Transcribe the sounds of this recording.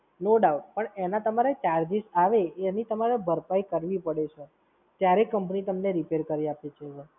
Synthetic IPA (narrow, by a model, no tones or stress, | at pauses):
noɖaʋpəɳenat̪əmaɾet͡ʃaɾd͡ʒisaʋenit̪əmaɾebʱəɾpaikəɾʋipəɽet͡ʃʰo | t̪jaɾekəmpnit̪əmneɾipeɾkəɾiapet͡ʃʰe